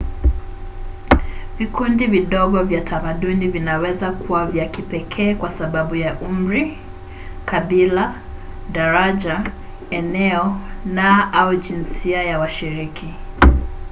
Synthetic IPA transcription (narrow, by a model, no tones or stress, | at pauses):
vikundiviɗɔɠɔvjatʰamaɗunivinawɛzakuwavjakipɛkʰɛːkwasaɓaɓujaʔum̩ɾi | kaɓila | ɗaɾaʄa | ɛnɛɔnaauʄinsiajawaʃiɾikʰi